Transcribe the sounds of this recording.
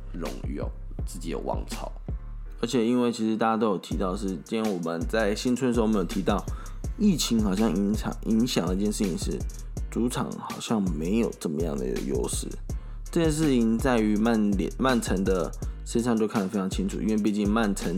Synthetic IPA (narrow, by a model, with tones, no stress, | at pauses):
ɻʊ̰˧˥ŋjo̰˥˨˩ʊ | t͡sɹ̩˥˩t͡ɕi˨˩jo̰˨˩wɑ̰˧ŋt͡sʰɑ˥˩ʊ | ə˞˧˥t͡ɕʰɛ˨˩i˥nwe˥˩ɪt͡ɕʰi˧˥ʂɻ̩˧t̪a˥˩t͡ɕa˥t̪o˥ʊjo˨˩ʊt̪ʰi˧˥t̪ɑ˥˩ʊə˨˩ʂ̬ɻ̩˥˩t͡ɕi˥na˧˥nwɔ˨˩mə˨˦nt͡sa˥˩ɪɕi˥nt̪t͡sʰə˥n˥ə˧ʂ̩˧˥˧m˧˥jo˨˩t̪ʰi˧˥t̪ɑ˥˨ʊ | i˥˩t͡ɕʰi˧˥ŋxɑ˨˩ɕjɑ˥˨ŋi˧˥ŋɕɑ̰˨˩ŋʔi˧˥ŋɕjɑ˨˩ŋd̪ə˩i˥t͡ɕjɛ˥˧nʂɻ̩ʰ˥˩ḭ˨˦ŋʂɻ̩˥˩ | t͡su˧˥ʈ͡ʂʰɑ̰˨˩˦ŋxɑ˨˩ʊɕjɑ˥˩ŋme˧˥ɪjo˨˩ʊʈ͡ʂə˥˩mə˦jɑ̰˥˩ŋd̪ə̰˩ḭ˥ɡə̰˨˩jo̰˥ʊʂɻ̩̰˥˩ | ʈ͡ʂə˥˧t͡ɕjɛ˥˧nʂ̬ɻ̩˥˩t͡ɕʰii˨˩ŋt͡sa˥˩ɪy˧˥ma˥˩nljɛ̰˨˩nma˥˩nt͡sʰə˧˥ŋd̪ə˧ʂə˥nsʰɑ˥˩ŋt̪jo˥˧kʰa˥˩nd̪ə˩fe˥ɑ˧ŋt͡ɕʰi˧˥ŋʈ͡ʂʰu˨˩i˥˧nwe˥˧ɪp̬i˥˧t͡ɕi˥˧ŋma˥˩nt͡sʰə˧˥ŋ